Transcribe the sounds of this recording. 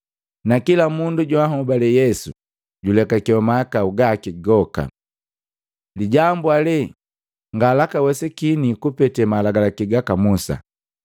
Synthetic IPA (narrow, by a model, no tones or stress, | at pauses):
nakilamunduɟwaɦɔbalɛjɛsu | ɟulɛkakiɔmakauɡakiɡɔka̰ | liɟambualɛ | ŋɡalakawɛsɛkinikupɛtɛmalaɡalakiɡakamusa̰